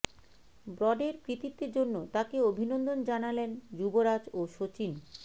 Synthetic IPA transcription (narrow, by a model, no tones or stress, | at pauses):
bɾɔɖeɾkɾit̪it̪ːeɾd͡ʑonːot̪akeobʱinond̪ond͡ʑanalend͡ʑuboɾad͡ʑoʃot͡ɕin